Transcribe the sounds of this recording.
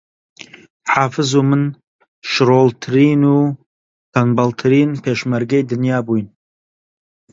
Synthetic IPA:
ħaːfɨzumɨn | ʃɾoːlt̪ʰɾiːnuː | t̪ʰanbalt̪ʰɾiːnpʰeːʃmaɾɡɐjd̪ɨnjaːbujn

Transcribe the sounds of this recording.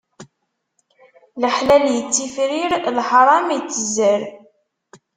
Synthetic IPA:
ləħlæljət͡sːifɾiɾlħɾˤɑmijt͡sːəzəɾ

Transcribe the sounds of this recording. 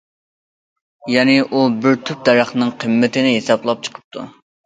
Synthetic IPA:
jɛnɪʔubɪɾt̪ʰyp̚d̪ɛɾɑχnɨŋqʰəmːɪt̪ʰɪnɪɦesɑplˠɑp̚t͡ʃʰə̥qʰə̥p̚t̪ʰṵ

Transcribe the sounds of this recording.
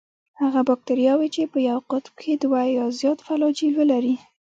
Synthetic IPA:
haɣabɑk̚t̪aɾijɑwet͡ʃepəjawqʊt̪mkʰed̪wajɑzjɑt̪falɑd͡ʒilwəlaɾi

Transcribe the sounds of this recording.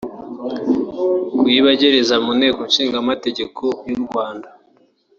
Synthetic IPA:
kwiβaɟeɾezamune̞ːkonʃiːŋɡamate̞ɟe̞kʰo̞juɾɡwaːnda

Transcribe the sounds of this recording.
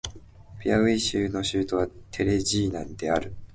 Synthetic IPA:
pʲiaβeiɕɨːno̞ɕɨːt̪o̞βat̪ʰe̞ɾe̞ʑiːnãnd̪e̞aɾɯ̟

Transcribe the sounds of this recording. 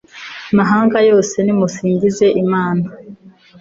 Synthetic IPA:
amaɦaːŋɡajo̞ːse̞nimusiːɲɟize̞ʔimaːna

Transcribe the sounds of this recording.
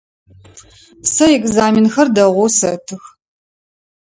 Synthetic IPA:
sɐɛkzaːmɪnxɐrdɐʁʷʊsɐtʰɨx

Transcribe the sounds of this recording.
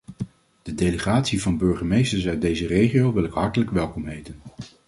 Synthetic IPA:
d̥ədejləχaːtsivɑnbɵɹχəmejstəɹsœɥt̚dejzərejχiowʋɪlɪkɦɑɹtələkʋɛlˠkɔmɦejtən

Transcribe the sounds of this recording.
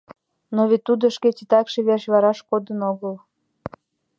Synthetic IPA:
noβet̪ːud̪oʃket͡ɕit̪ɑkʃeβerʃβɑɾɑʃkod̪ənoɣəl

